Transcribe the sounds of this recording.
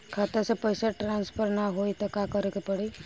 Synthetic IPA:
kʰat̪esepəjsaʈɾanspʰəɾnaɦoit̪ekakəɾekepəɽi

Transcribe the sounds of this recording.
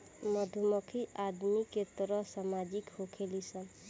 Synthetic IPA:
mʌd̪ʱumɔkʰiʔad̪miket̪ɾʌsamad͡ʒikhokʰelisʌn

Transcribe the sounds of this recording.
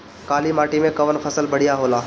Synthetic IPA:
kaːlimaːʈimẽkɐʋənpʰɐsəlbɐɽ̤ijaɦoːlaː

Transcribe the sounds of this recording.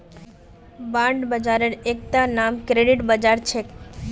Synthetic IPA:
bãɳɖbəd͡ʒaɾəɾek̚t̪anamkɾeɖiʈbəd͡ʒaɾt͡ʃʰe

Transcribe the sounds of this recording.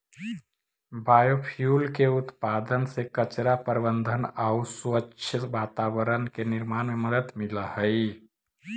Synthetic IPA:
bajopʰjulkeut̪pad̪ənsekət͡ʃɾapəɾbənd̪ʱənauswəʃʰəʋat̪aβəɾənkeniɾmanmeməd̪ət̪miləhəɪ

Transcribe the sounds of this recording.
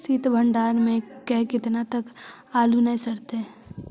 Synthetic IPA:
siːt̪bʱəɳɖaːɾmẽkɛɦkɪt̪nat̪ɐk | aːlunɐɦĩsɐɾt̪e

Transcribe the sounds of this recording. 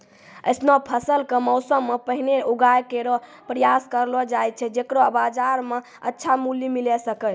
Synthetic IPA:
ə̰jsnɔpʰəsəlkemɔʊsəmːepəɦineuɡajkeɾɔ | pɾəjaskəɾlɔd͡ʒaj̪̚t͡ʃʰɛd͡ʒekɾɔəbad͡ʒaɾme | ətːʃʰamuljimilɛsəkət͡ʃ

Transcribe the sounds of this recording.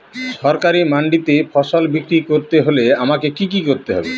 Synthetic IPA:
ʃɔɾkaɾimaɳɖit̪efɔʃolbikɾikoɾt̪eɦoleamakekikikoɾt̪eɦɔ̰bḛ

